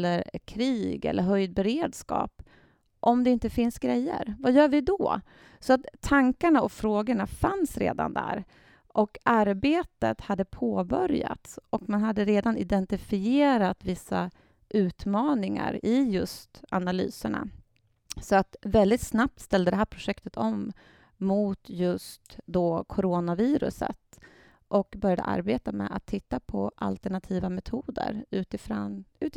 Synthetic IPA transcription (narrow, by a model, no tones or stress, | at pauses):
lːəɾkʰɾiːɡɛ̰lːʔəɾɦœjd̪̚bɛɾeːd̪skɑ̰ːp | ʔɔmd̪ɛɪnt̪əfɪnsɡɾɛjːə̰ɾvajœːɾvɪd̪ɔ̰ | sɔat̪ʰːaŋkaɳaɔfɾoːɡəɳafansɾḛːd̪a̰nd̪æ̰ɾ | ʔɔkaɾbeːt̪ət̪had̪ːəpʰoːbœɾja̰t̪sɔkmanɦad̪ːəɾeːd̪anɪd̪ɛnt̪ɪfɪeːɾat̪vɪsːa̰ | ʔʉ̟ːt̪mɑːnɪŋa̰ɾɪjɵst̪analy̰ːsəɳa̰ | sɔat̪vɛld̪ɪt̪snap̚t̪st̪ɛld̪əd̪ɛɦæːɾpʰɾʊʂɛkt̪ət̪ʰɔmː | ʊt̪jɵst̪d̪ɔkʰɔɾoːnaviːɾɵ̰sə̰t̪ | ʔɔkbœɾjad̪ə̰ʔa̰ɾbeːt̪amɛ̰ʔa̰t̪ʰːɪt̪ːapʰɔʔa̰lt̪ɛɳat̪ʰiːvamɛt̪ʰuːd̪ə̰ɾʉ̟ːt̪ɪfɾɔnʉ̟ːt̪